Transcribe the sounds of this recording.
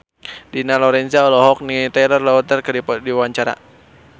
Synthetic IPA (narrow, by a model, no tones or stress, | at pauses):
dinalɔɾɛnsiaɔlɔɦɔk̚nit̪ɛlɔrlɔut̪ərkədipɔdiwaɲt͡ʃaɾa̰